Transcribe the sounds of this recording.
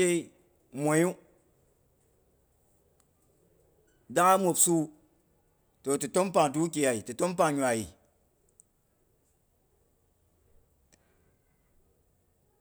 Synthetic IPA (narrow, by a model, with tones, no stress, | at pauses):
e˦i˦ | mʷo˨˦u˦ | da˦ŋa˦mʷo˨psu˦ | to˨tu˨to˦mp̬a˨ŋ˨t̬u˦k̬ʲi˨ja˨i˨tu˨to˦m˦p̬a˨ŋ˨ɲʲʷ˨a˨ji˨